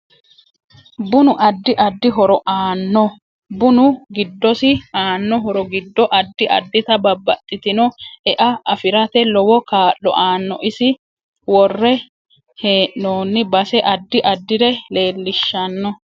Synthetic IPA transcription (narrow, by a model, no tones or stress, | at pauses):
bʊnʊʔɐd̪ːɪʔɐd̪ːɪɦɔɾɔʔaːnːɔ | bʊnʊɡɪd̪ːɔsɪaːnːɔɦɔɾɔɡɪd̪ːɔʔɐd̪ːɪʔɐ̰d̪ːɪt̪ɐbɐbːɐt̪ʼːɪt̪ɪnɔɛʔɐɐfɪɾɐt̪ɛlɔwɔkaːʔːɔ̰ʔaːnːɔʔɪsɪ | wɔrːɛ | he̞ːʔnoːnːɪbɐsɛʔɐd̪ːɪʔɐd̪ːɪɾɛle̞ːlːɪʃːɐnːɔ